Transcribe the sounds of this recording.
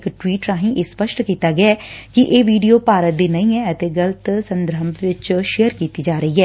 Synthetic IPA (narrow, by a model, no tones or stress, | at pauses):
kʈwiːʈɾãːɦĩːʔeːspəʃʈkiːt̪aːɡɪaɛːkɪʔeːʋiːɖijoːpaːɾət̪̚d̪iːnəĩːɛːət̪eːɡələt̪sənd̪ɾəmʋɪt͡ʃʃejəɾkiːt̪iːd͡ʒaːɾəiːɦɛː